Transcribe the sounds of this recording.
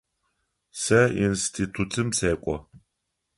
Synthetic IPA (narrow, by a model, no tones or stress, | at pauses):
sɐinstʰitʰutʰɨmseːkʷʼɔ̰